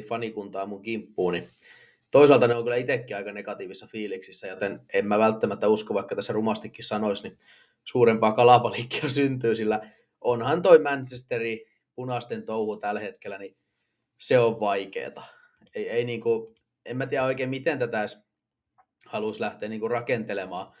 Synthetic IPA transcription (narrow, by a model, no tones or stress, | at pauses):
fɑnikunt̪ɑːmuŋkimpːuːni | t̪oisɑlt̪ɑneoŋkylːˑæit̪ekːiɑikɑnekɑt̪iːʋisːɑfiːliksisːæjot̪enemmæʋælt̪ːæmæt̪ːæuskoʋʋɑikːɑt̪æsːærumɑst̪ikːissɑnoisni | suːrempɑːkɑlɑpɑlikːi̥ɑsynt̪yːsilːæ | ʔonhɑnt̪oimænt͡ʃest̪eri | punɑst̪ent̪ouhut̪ælhet̪kelːˑæni | seoʋʋɑikḛːt̪ɑ̥ | eieiniːŋku | emmæt̪iææoikeːmit̪ent̪æt̪æˑs | hɑluslæht̪eːniːŋkurɑkent̪elemɑː